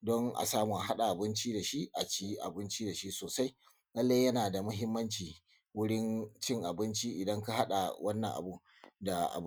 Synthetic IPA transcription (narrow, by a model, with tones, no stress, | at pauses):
dɔ˦ŋʔa̰˨saː˦mu˨ʔa˨ɦa˦ɗa˨ʔa˨bɪ˦nt͡ʃiː˦da˨ʃi˦ʔa˨t͡ʃi˦ʔa̰˨bɪ˦nt͡ʃiː˦da˨ʃi˦ʔsoː˨sa˦j | lɐ˦lːa˦jjɐ˦naː˨da˨mʊ˦ɦɪ˦mːɐ˦nt͡ʃiː˨ | wʊ˦ɽɪ˦nt͡ʃɪ˦˨ŋʔa˨bɪ˦nt͡ʃi˦ʔɪ˨dɐ˦ŋka˦ɦa˦ɗa̰˨wʔɐ˦nːɐ˨ŋʔa̰˨bu˦ʔ | da˨ʔa̰˨b